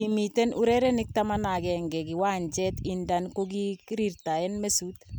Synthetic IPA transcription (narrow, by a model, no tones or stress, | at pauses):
imit̪ɛnuɾɛɾɛnɪk̚tamanaɡɛŋɡɛɡiwaɲd͡ʒɛt̪indankoɡikɾiɾtaɛnmesut̪